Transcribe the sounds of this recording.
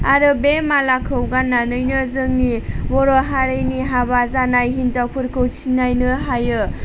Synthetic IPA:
aɾɯbemalakʰɯwɡanːanɯjnɯzɯŋnibɔɾɔɦaɾɯjniɦabazanajɦinzawpʰɯɾkʰɯwsinajnɯɦajɯ

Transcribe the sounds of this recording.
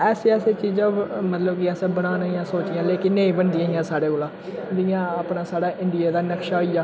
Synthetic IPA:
ɛːseɛːseːt͡ʃiːzãːmət̪ləbkːɛːsẽːbəɽaːnːijãːsoːt͡ʃɪjãːleːkɪnːẽːĩːbənd̪ɪjãːɦɪjãːsaːɽeːkoːlãːd̪ɪjãːəpnaːsaːɽaːʔɪɳɖɪjaːd̪aːnəkʃaːɦoijaː

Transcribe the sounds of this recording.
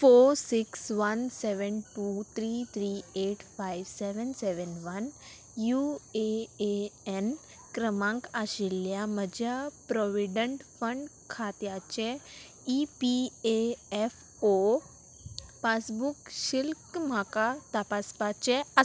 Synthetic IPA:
foːɾsɪksʋɐnsɛʋənʈuːt̪ʰɾiːt̪ʰɾiːeːʈfaiʋsɛʋənsɛʋənʋɐn | jueeɛn | kɾəmãŋkaʃilːjaməd͡ʑʱjapɾɔʋiɖə̃ɳʈfə̃ɳɖ | kʰat̪jat͡ɕe | ipieɛf | o | pasbukʃɪlkmakat̪apaspat͡ɕeə

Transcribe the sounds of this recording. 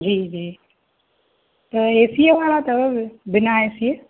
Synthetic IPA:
d͡ʒiːd͡ʒiː | t̪ɐeːsieʋaːɭat̪ɐbɪnaeːsie

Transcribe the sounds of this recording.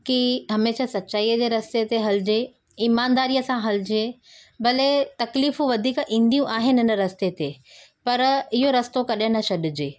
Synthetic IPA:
kiɦɐmeːʃasɐtːɕaːiːəd͡ʑeːɾɐst̪et̪eɦɐlɪd͡ʑe | iːmaːnd̪aːɾijəsãɦɐlɪd͡ʑe | bɐlet̪ɐkliːfũʋɐd̪ʱiːkʔĩːnd̪ijũʔaːɦɪnɪɦɪnəɾɐst̪et̪epɐɾɪɦoɾɐst̪okɐɗɪ̃nɐʃɐɗɪd͡ʑeː

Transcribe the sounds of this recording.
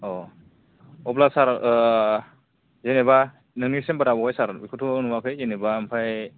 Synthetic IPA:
ɔ | ɔblasaɾ | zeneba | nɯŋnisembaɾabɔkʰajsaɾbikʰutʰɔnuwakʰɯjzenebampʰaj

